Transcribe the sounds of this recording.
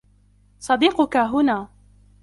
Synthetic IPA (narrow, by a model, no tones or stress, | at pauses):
sˤɑd̪iːqʊkaɦʊnaː